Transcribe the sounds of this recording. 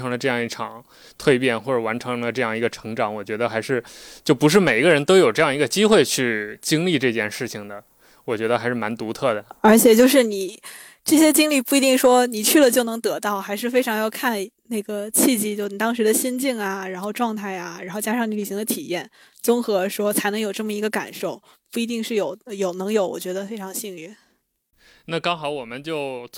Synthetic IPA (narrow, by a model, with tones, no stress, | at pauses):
ɤ˧˥ŋlə˧ʈ͡ʂɤ˥˧jɑ˥˧ŋi˥˩ʈ͡ʂʰɑ˨˩˦ŋ | t̪ʰwe˥˧ɪpjɛ˥˩nxwɔ˥˩ʈ͡ʂə˨˩wa˧˥nʈ͡ʂʰɤ˧˥ŋlə˧ʈ͡ʂɤ˥˧jɑ˥˩ŋi˧˥ɡə˧ʈ͡ʂʰɤ̥˧˥ŋʈ͡ʂɑ˨˥ŋwɔ˨˩t͡ɕɥɛ˧˥d̪ə˧xa˧˥ɪʂɻ̩˥˩t͡ɕjo˥˩ʊpu˧˥ʂ̬ɻ̩˥˩me˨˩ɪi˧˥ɡə˧ɻə˧˥nt̪o˥ʊjo˨˩ʊʈ͡ʂɤ˥˧jɑ˥˩ŋi˧˥ɡə˧t͡ɕi˥xwe˥˧ɪt͡ɕʰy˥˩t͡ɕi˥ŋli˥˧ʈ͡ʂɤ˥˧t͡ɕjɛ˥˧nʂɻ̩˥˩t͡ɕʰi˩ŋd̪ə˩ | wɔ˨˩t͡ɕɥɛ˧˥d̪ə˧xa˧˥ɪʂɻ̩˥˩ma˧˥nt̪u˧˥t̪ʰɤ˥˩d̪ə˩ə˞˧˥t͡ɕʰjɛ˨˩t͡ɕjo˥˧ʊʂ̬ɻ̩˥˩ni˨˩˦ | ʈ͡ʂɤ˥˩ɕjɛ˥t͡ɕi˥ŋli˥˧pu˥˩i˧˥t̪i˥˩ŋʂwɔ˥ni˨˩t͡ɕʰy˥˩lə˩t͡ɕjo˥˩ʊnɤ˧˥ŋt̪ɤ˧˥t̪ɑ˥˩ʊxa˧˥ɪʂɻ̩˥˩fe˥ɪʈ͡ʂʰɑ˧˥ŋjɑ˥˧ʊkʰa˥˧n | ne˥˩ɡə˩t͡ɕʰi˥˧t͡ɕi˥˧t͡ɕjni˩t̪ɑ˥ŋʂɻ̩˧˥d̪ə˧ɕi˥nt͡ɕi˥˩ŋa˩ɻa˧˥nxo˥˧ʊʈ͡ʂwɑ˥˧ŋt̪ʰa˥˩ɪa˩ɻa˧n˥xo˥˧ʊt͡ɕja˥ʂɑ˥˩ŋni˧˥li˨˩i˧˥ŋd̪ə˧t̪ʰi˨˩jɛ˥˩n | t͡sʊ˥ŋxɤ˧˥ʂwɔ˥t͡sʰa˧˥ɪnɤ˧˥ŋjo˨˩ʊʈ͡ʂɤ˥˩mə˩i˧˥ɡə˧ka̰˨˩nʂo˥˩ʊ | pu˥˩i˧˥t̪i˥˧ŋʂɻ̩˥˩jo˨˧˩ʊjo˨˩ʊnɤ˧˥ŋjo˧˥ʊwɔ̰˨˩t͡ɕɥɛ˧˥d̪ə˧fe˥ɪʈ͡ʂʰɑ˧˥ŋɕi˥˧ŋy˥˩ | na˥˩kɑ˥ŋxɑ˨˧˥ʊwɔ˨˩mə˦nt͡ɕjo˥˩ʊ